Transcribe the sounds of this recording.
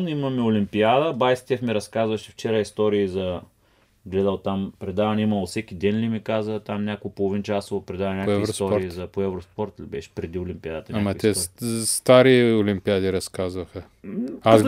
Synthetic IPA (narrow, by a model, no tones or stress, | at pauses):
nimɐmɛolimpiad̪əbajst̪ʲɛfmɛɾɐskazvɐʃɛ̥ft͡ʃɛɾəist̪ɔɾiːzɐ | ɡlɛd̪əlˠt̪ampɾɛd̪avɐnimɐlˠosɛkʲid̪ɛnlʲimikazət̪amnʲakoɡpolˠovint͡ʃasopɾɛd̪avnʲakɛvisɔɾɾiizɐpoɛvɾospoɾt̪libɛ̰ʃɛ̥pɾɛd̪iʊlʲimpiad̪ət̪ɐnʲaamɐkit̪ɛst̪aɾiolimpiad̪iɾɐskazvɐxɐ | as